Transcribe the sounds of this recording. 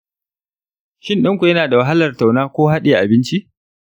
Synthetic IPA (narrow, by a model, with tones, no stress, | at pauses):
ʃɪ˦nɗɪ˦ŋkʷu˨jɐ˦naː˨da˨wɐ˨ɦa˦lɐ˨rta˨wnaː˦kʷoː˦ɦa˦ɗeː˨ʔa˨bɪ˦nt͡ʃi˦ʔ